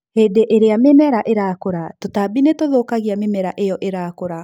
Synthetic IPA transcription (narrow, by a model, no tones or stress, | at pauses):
hedeʔeɾeamemɛɾaʔeɾakoɾatotabinetoðokaɣiamemɛɾaʔejɔʔeɾakoɾa